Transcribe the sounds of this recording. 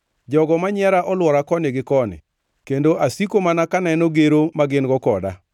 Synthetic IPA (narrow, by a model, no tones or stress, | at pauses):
d͡ʒɔɡɔmaɲɛɾaʔɔlwɔɾakɔnɪɡɪkɔnɪ̰ | kendoʔasikomanakanɛnoɡeɾomaɡɪnɡɔkɔda̰